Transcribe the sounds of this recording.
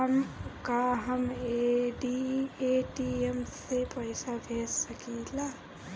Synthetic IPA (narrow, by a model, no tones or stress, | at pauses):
əmkaɦəmeɖieʈiemsepəɪsabʱeːssəkila